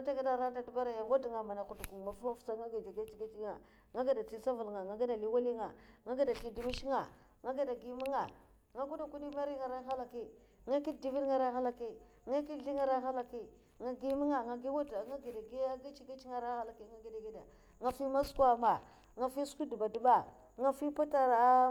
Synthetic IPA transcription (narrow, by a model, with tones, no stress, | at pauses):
a˦ta˦ɡa˦da˨ɾa˦da˦du˦ba˦ɾa˨ja˨wa˦dŋa˨ma˨na˨ku˨du˨ku˨ma˨fu˦ma˦ft͡sa˦ŋa˦ɡi˨da˨ɡa˦t͡ʃi˦ɡa˦t͡ʃi˦ŋa˨ | ŋa˦ɡa˨da˨t͡si˦sa˦vu˨lŋa˨ŋa˨ɡa˦da˨li˦wa˦li˦ŋa˨ŋa˦ɡa˦da˨ti˨di˨mi˦ʃi˦ŋa˨ | ŋa˦ɡa˦da˨ɡi˨ma˦ŋa˨ | ŋa˦ku˦da˨ku˦di˦ma˦ɾi˦ŋa˨ɾa˦ɦa˦la˨ki˦ | ŋa˦ki˦di˦vi˦dŋa˨ɾa˦ɦa˦la˨ki˦ | ŋa˦ki˦˨ɬi˦ŋa˦ɾa˦xa˦la˨ki˦ | ŋa˨ɡi˦mi˦ŋa˨ŋa˨ɡi˦wa˦da˨ŋa˦ɡi˨da˨ɡi˦a˦ɡi˦t͡ʃi˦ɡa˦t͡ʃŋa˦˨ɾa˦ha˦la˨ki˦ŋa˦ɡi˦˨da˨ɡi˦da˨ | ŋa˨fi˦ma˦skwa˦ma˨ | ŋa˨fi˦sku˦du˨ba˨di˨˦ba˨ | ŋa˦fi˦pa˦ta˨ɾa˨˦